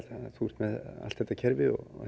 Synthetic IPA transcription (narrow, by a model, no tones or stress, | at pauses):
aθur̥t̪mɛða̰lt̪θɛt̪ːacʰɛɾvɪɔ̰ɣ̰